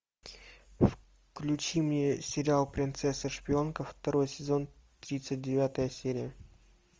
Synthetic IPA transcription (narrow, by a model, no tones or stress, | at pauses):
f | klʲʉt͡ɕimnʲesʲɪɾʲɪalˠpɾʲɪnt̪sɛsːəʂpʲɪo̞nkəft̪ɐɾo̞jsʲɪzo̞n | t̪ɾʲit̪sɨt̚ʲdʲɪvʲat̪əjəsʲeɾʲɪjə